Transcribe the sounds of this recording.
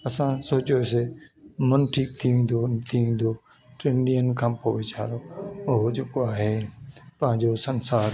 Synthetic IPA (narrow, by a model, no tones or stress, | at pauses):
ɐsãsoːt͡ɕoes̬emɐnʈʰiːk̚t̪ʰiʋẽːnd̪ot̪ʰiʋẽːnd̪o | ʈɾẽːɳɖijənkʰãːpoːʋɪt͡ɕʰaːɾoːʊɦod͡ʑeːkoaːɦeːpɐ̃ɦɪ̃ɲd͡ʑosɐnsaːɾ